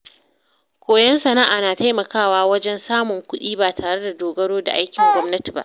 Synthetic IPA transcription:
kʷoː˨jɐ˦nsɐ˨naː˦ʔaː˨naː˨ta˦jmɐ˨kaː˦˨waː˦wɐ˦d͡ʒɛ˦nsaː˦mʊ˨ŋkʷʊ˦ɗiː˦baː˨tʰaː˨ɽe˦da˨doː˨ɡɐ˦ɽoː˦da̰˨ʔa˦jkʲɪ˨ŋɡʷɔ˦mnɐ˦ti˨ba̰˦ʔ

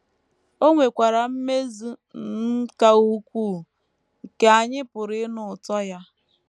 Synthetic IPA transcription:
o˦ŋʷe˨kʷa˨ɾa˨m̩˦me˦zu˦nn̩˦ka˦u˦kʷu˦˨ | ŋ̩˨ke˨a˨ɲɪ˦pʊ˨ɾɪ˦nʊ˨ʊ˨tɔ˦ja˦

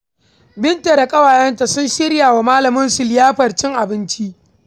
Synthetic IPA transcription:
bɪ˦nta˨ɾa˨kʼɐ˦waː˨jɐ˦nta˨sʊ˦nʃɪ˦ɽjaː˨wa˨maː˦lɐ˨mʊ˦nsʊ˨ljaː˦ɸɐ˨rt͡ʃɪ˦ŋʔa˨bɪ˦nt͡ʃi˦ʔ

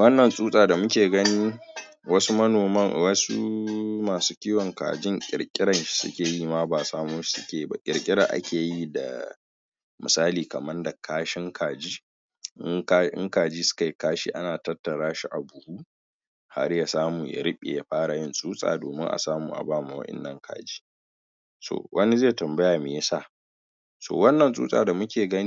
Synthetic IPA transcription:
wɐ˦nːɐ˨nsʼuː˦sʼaː˨da˨mʊ˦kʲeː˨ɡɐ˦niː˦ | wɐ˦su˦mɐ˦noː˨mɐ˦˨ŋwɐ˦su˦maː˨suː˦kʲiː˦wɔ˨ŋka̰ː˨d͡ʒɪ˦ŋkʲʼɪ̰˨ɽkʲʼɪ˦ɽɐ˨nʃi̥˦sʊ̰˦kʲeː˨ji˦ma˦baː˨saː˦moː˦ʃi̥˦sʊ˦kʲeː˨˦ba̰˦kʲʼɪ̰˨ɾkʲʼɪ˦ɽa˨ʔa̰˦kʲʰeː˨ji˦da̰˨ | mɪ˨saː˦liː˨kɐ˨mɐ˦rda˨kʰaː˦ʃɪ˦ŋkʰaː˨d͡ʒiː˦ | ʔɪ˦ŋka˦ɪ̰˦ŋkaː˨d͡ʒiː˦sʊ̥˦ka˨jkaː˦ʃḭː˦ʔa˦naː˨tɐ˦tːɐ˨ɽaː˦ʃi˦ʔa˨bʊ˨huː˦ | ha˦ɾja˨saː˦muː˨ja̰˨ɾɪ˦ɓʲʼḛ˨ja˦ɸaː˦ɾa˨jɪ˦nsʼuː˦sʼa̰ː˨doː˨mɪ˦ŋʔa̰˨saː˦muː˨ʔa̰˨baː˦˨ma˨wɐ̰˦ʔɪ̰˨nːɐ˦˨ŋkʰa̰ː˨d͡ʒiː˦ | so̰ː˨wʔɐ˦ni˦zeː˦˨tɐ˨mbɐ˦jaː˨me˨ja˦sa˦˨ʔ | so̰ː˨wɐ˦nːɐ˨nsʼṵː˦sʼa̰ː˨da˨mʊ˦kʲeː˨ɡɐ˦ni˦

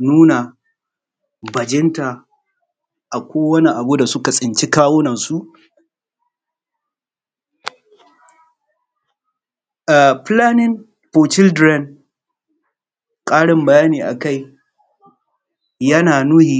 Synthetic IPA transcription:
nuː˦na˨ | bɐ˨d͡ʒɪ˦nta˨ | ʔa˨kʷoː˦wɐ˦ni˦ʔa˨bu˦da˨sʊ˦ka˨sʼɪ˨nt͡ʃi˦kaː˦woː˦nɐ˨nsu˦ʔ | a˨ɸlaː˦nɪ˦n | ɸoː˨t͡ʃɪ˦ldɾɛ˦n | kʼaː˦ɽɪ˨mbɐ˨jaː˦niː˨ʔa̰˨ka˦˨j | jɐ˦naː˨nuː˦hiː˨

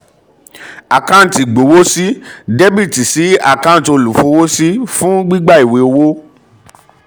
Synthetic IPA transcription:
a˨kã˦˨ti˨ɡ͡bo˨wo˦si˦de˦bi˦˨ti˨si˨˦a̰˦˨kã˦˨to˧lu˨fũ˧˦wo˦si˦fũ˦ɡ͡bi˦ɡ͡ba˦˨i˨we˨˧o˧wo˦

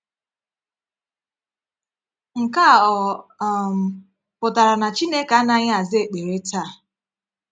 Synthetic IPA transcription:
ŋ̩˨ka˦˨ɔ˨˦m̩˨ | pʊ˨ta˨ɾa˨na˨t͡ʃi˦ne˦ka˨˦na˦ɲɪ˦a˨zɪ˦e˨k͡pe˨ɾe˦ta˦˨

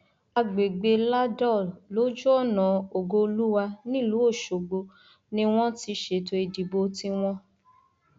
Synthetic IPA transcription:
a˧ɡ͡be˨ɡ͡be˧la˦dɔ˦˨lo˨˦d͡ʒu˦ɔ˦˨nã˨o˨ɡo˧o˧lu˦wa˧nĩ˦˨lu˨˦o˦˨ʃo˨ɡ͡bo˧ | nĩ˦w̃ɔ̃˦ti˧ʃe˨to˧i˨di˨bo˨˧ti˧w̃ɔ̃˦

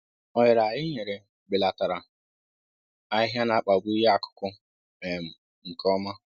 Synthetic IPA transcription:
ɔ˨jɪ˨ɾa˨jɪ˦ɲe˨ɾe˨ | ɡ͡bɪ˨la˨ta˨ɾa˨ | a˦ɪ˦ɦja˦na˨k͡pa˨ɡʷu˦ja˦a˨kʊ̥˦kʷʊ˦ | e˨m̩˨ | ŋ̩˨kʰɔ˦ma˦

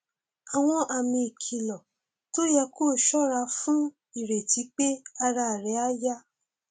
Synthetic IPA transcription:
a˨w̃ɔ̃˧ʔa˨mĩ˧i˨kʰi˨lɔ˨ | to˦jɛ˧ko˦˨ʃɔ˦ɾa˧˦fũ˦ | i˨ɾe˨ti˨˦k͡pe˦a˦˧ɾa˧˨ɾɛ˨˦a˦ja˦

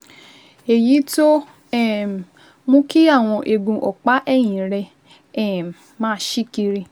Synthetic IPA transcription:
e˨ji˨˦to˦ | ɛ˦˨m˨ | mũ˦ki˦a˦˨w̃ɔ̃˧ʔe˧ɡũ˧ʔɔ˨k͡pa˨˦ʔɛ˦˨j̃ĩ˨ɾɛ˧ | ɛ˦˨m˨ | mãː˦ʃi˦ki˧ɾi˧

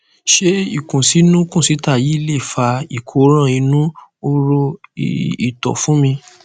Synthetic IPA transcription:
ʃe˦i˦˨kũ˨si˨˦nũ˦kũ˦˨si˨˦ta˦˨ji˨˦le˦˨fa˧˦i˦˨kʰo˨˦ɾ̃ã˦˨i˧nũ˦o˧ɾo˧˨ | i˨tɔ̰˨fũ˦mĩ˧

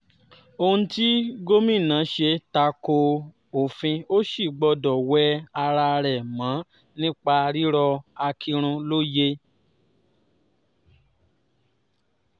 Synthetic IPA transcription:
o˧ũ˦ti˦ɡo˦mĩ˦˨nã˨˦ʃe˧ta˧ko˧ | o˨fĩ˧o˦ʃi˦˨ɡ͡bɔ˧dɔ˨wɛ˨˦a˧ɾa˧ɾɛ˨mã˨˦ | nĩ˦k͡pa˧ɾi˦ɾɔ˧a˧kʰi˧ɾ̃ũ˧lo˦je˦

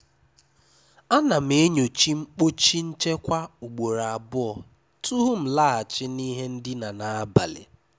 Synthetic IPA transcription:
a˦na˨m˦e˦ɲo˨t͡ʃi˦ŋ͡m̩˦k͡po˦t͡ʃi˦n̩˦t͡ʃe˦kʷa˦u˨ɡ͡bo˨ɾa˨a˨bʊ˦ɔ˨ | tu˦ɦu˦m̩˨la˦˨a˨t͡ʃɪ˦ni˦ɦe˦n̩˦dɪ˦na˨na˨a˦ba˨lḛ˨

